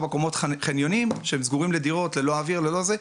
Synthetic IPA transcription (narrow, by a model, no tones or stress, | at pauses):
bekomo̞tχenjo̞nimʃeemzɡuʁimlediʁo̞tle̞lo̞aviʁlelo̞ze